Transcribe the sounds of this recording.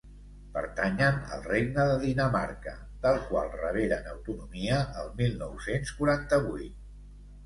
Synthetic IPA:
pə̰ɾt̪aɲənə̰lˠreɡ̚nəðəðinəma̰ɾkə̰ | d̪əlˠkwa̰lˠrəβ̞eɾənəwt̪unumiəːlˠmilˠnɔwsenskuɾant̪əβuit̪̚

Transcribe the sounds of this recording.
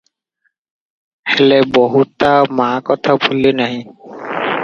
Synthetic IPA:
helebɔɦut̪amãkɔt̪ʰabʱulːenaɦĩ

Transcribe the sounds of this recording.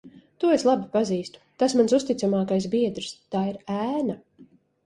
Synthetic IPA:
t̪uɔeslˠabipaziːst̪u̥t̪asmansust̪it̪samaːkajs̬biɛd̪ɾst̪aːiɾæːna

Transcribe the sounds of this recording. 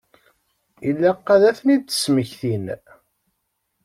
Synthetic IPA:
ilːæqːæðæθnid̪ə̥sməçθin

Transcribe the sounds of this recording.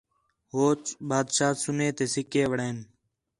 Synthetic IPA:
ɦoːt͡ʃɓaːd̪ʃaːsʊneːt̪eːsɪkeːʋəɽeːn

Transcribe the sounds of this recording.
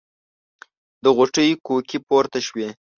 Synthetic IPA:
d̪əɣʊʈəjkokipoɾt̪aʃwe

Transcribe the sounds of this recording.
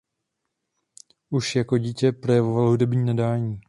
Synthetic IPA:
ʔuʃjakoɟiːcɛpɾo̞jɛvovalɦudɛbɲiːnadaːɲiː

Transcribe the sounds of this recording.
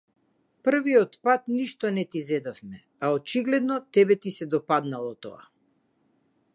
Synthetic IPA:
pr̩viɔt̪pat̪niʃt̪ɔnɛt̪izɛd̪ɔfmɛ | aɔt͡ʃiɡlɛd̪nɔt̪ɛbɛt̪isɛd̪ɔpad̪nalˠɔt̪ɔ̰a̰

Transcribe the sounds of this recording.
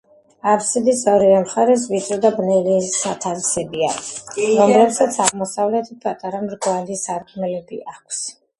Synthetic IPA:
aɾsɛd̪isɔɾivɛmχaɾɛs̬vit̪sʼɾɔd̪abnɛliːat̪ʰalsɛbia̰ɾɔmlɛpsat̪sʰaʁmɔsavlɛt̪ʰipʰat̪ʼaɾamɾɡvalisaɾkʰnɛlɛbḭʔakʷʰs

